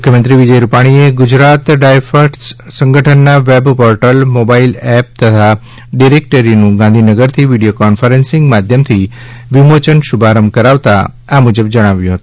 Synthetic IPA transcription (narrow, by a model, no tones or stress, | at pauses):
mukʰjəmənt̪ɾiʋid͡ʒəjɾupaɽ̃ieɡʊd͡ʒɾat̪ɖajfəɾʈssə̃ŋɡʱəʈʰənːaʋebpɔɾʈəlmobailɛp̚t̪ət̪ʰa | ɖiɾek̚ʈəɾinũɡãnd̪ʱinəɡəɾt̪ʰiʋiɽijokɔnfəɾensɪ̃ŋɡmad̪ʱjəmt̪ʰi | ʋimot͡ʃənʃubʱaɾəmkəɾaʋt̪a̰ | amud͡ʒəbd͡ʒəɽ̃aʋjũɦət̪uũ